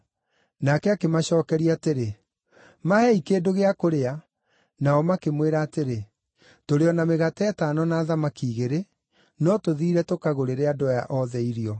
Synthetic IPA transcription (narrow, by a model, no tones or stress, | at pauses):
nakɛakemaɕɔːkɛɾiaːteɾe | mahɛikeːdoɣeakoɾea | naɔmakemweɾaːteɾe | toɾeɔnameɣatɛɛtanɔnaːðamakiːɣeɾe | nɔtoðiːɾɛtokaɣoɾeɾeadɔja̰ʔɔðɛiɾiɔ